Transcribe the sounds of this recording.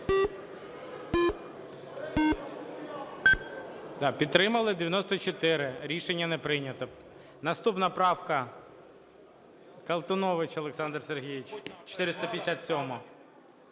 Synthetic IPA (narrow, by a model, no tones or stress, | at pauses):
d̪ɑpʲidt̪t̪ːɾɪmɐlˠɪd̪ʲeʋʲjɐnɔst̪ɔt͡ʃɔt̪ɪɾɪɾʲiʃenʲːɐnɛpɾɪnʲɐt̪ɔ | nɐst̪upnɐpɾɑwkɐ | kɐlˠt̪ɔnɔʋɪt͡ʃɔlˠeksɑnd̪rserɦʲijit͡ʃt͡ʃɔ̥t̪ɪɾɪst̪ɐpʲjesʲat̪ʲsʲɔmɔ